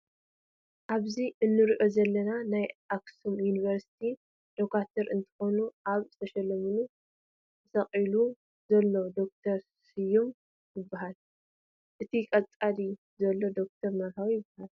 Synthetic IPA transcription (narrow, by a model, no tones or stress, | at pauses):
ʔaβziʔɨnːɨɾiʔo̞zɐlːɐnanajʔaksumjuniβɐɾsi̥t̪ʰi | d̪̥okat̪ʰɐɾɨnt̪ʰɨ̥xo̞nuʔaβzɨt̪ʰɐʃɐlːɐmɨnu | ɨsɐqʼilu | zɐlːo̞d̪o̞k̚t̪ʰɐɾsijum | jɪbːaɦal | ʔɨt̪ʰikʼɐt͡sʼali | zɐlːo̞d̪o̞k̚t̪ʰɐɾnɐɾɦawjɪbːahal